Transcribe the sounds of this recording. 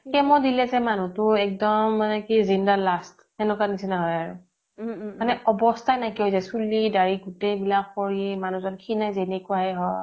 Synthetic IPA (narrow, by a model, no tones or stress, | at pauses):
kɛmɔdilɛzɛmanutʊɛk̚dɔmːanɛkizindalast | ɛnukanisɛnaɦɔjaɹṵ | anɛɔbɔstʰajnajkiɦojzajsulidaɹiɡutejbilakkoɹimanũzɔnkʰinajzenekuaɦɛɦɔj